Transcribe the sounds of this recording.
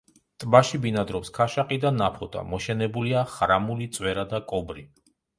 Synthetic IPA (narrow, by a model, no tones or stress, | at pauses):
t̪ʼbaʃibinad̪ɾɔpskʰaʃaqʼid̪anapʰɔt̪ʼa̰mɔʃɛnɛbuliaχɾamulit̪sʼwɛɾad̪akʼɔbɾi